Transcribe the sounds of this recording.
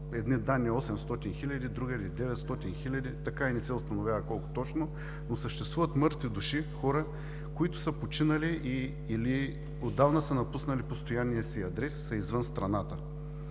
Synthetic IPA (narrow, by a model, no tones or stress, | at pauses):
ɛd̪nid̪anːiɔsɛmst̪ɔt̪inxilʲɐd̪ʲid̪ɾuɡɐilid̪ɛvɛt̪st̪ɔt̪inxilʲɐd̪ʲit̪ɐkainɛsɛʊst̪ɐnovʲavəkɔlˠkʊ̥t̪ɔt͡ʃno | nosəʃt̪ɛst̪vuvɐt̪mɤɾt̪vid̪uʃixɔɾə | kʊit̪ʊ̥səpot͡ʃinɐliʔiː | li | od̪ːavnəsənɐpusnɐlipost̪ojanːijəsiɐd̪ɾɛsːɐizvənst̪ɾɐnat̪ə